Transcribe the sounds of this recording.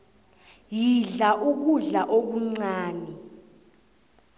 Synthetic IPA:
jiɮaʔuk̬uɮaʔok̬uŋ͡ǀaːni

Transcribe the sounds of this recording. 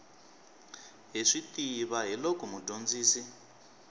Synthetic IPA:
ɦiʂitiβaɦilɔkɔmudʱond͡ziːsi

